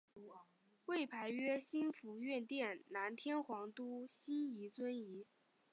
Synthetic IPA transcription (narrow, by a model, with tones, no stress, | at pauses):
we˥˩ɪpʰa˧˥ɪɥɛ˥ɕi˥nfu˧˥ɥɛ˥˧nt̪jɛ˥˩nna˧˥nt̪ʰjɛ˥nxwɑ˧˥ŋt̪u˥ɕi˥ni˧˥t͡swə˥ni˧˥